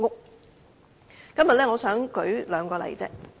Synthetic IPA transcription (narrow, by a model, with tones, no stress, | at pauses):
ŋʊ˥k̚ | kɐ˥mjɐ˨t̚lɛː˥ŋɔː˨˧sœː˨˥ŋkɵ˨˥ɥlœː˨˧ŋkɔː˧lɐ̰˨˩jt͡sɛ̰ː˥